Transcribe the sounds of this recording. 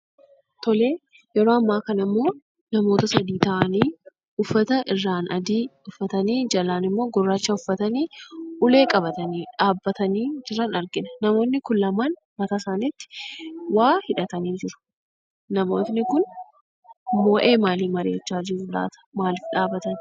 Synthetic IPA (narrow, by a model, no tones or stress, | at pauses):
t̪ɔleː | jɛɾo̞ːɐmːaːkɐnɐɪmːo̞ː | nɐmo̞ːt̪ɐsɐd̪iːt̪ɐʔɐniː | ʊfːɐt̪ɐʔɪrːaːnɐd̪iːʊfːɐt̪ɐniːd͡ʒɐlaːnɪmːo̞ːɡɔrːaːt͡ʃːɐʊfːɐt̪ɐniːʔʊle̞ːkʼɐbɐt̪ɐniːᶑaːbːɐt̪ɐniːd͡ʒɪrɐnɐɾɡɪnɐ̥nɐmo̞ːnnɪkʊnlɐmaːn | mɐt̪ɐsaːnit̪ːɪ̥waːhɪᶑɐt̪ɐniːd͡ʒɪɾʊ̥ | nɐmo̞ːt̪nɪkʊn | mo̞ːʔe̞ːmaːliːmɐɾeːt͡ʃːaːd͡ʒɪɾʊla̰ːt̪ɐ̥maːlɪfᶑaːbɐt̪ɐn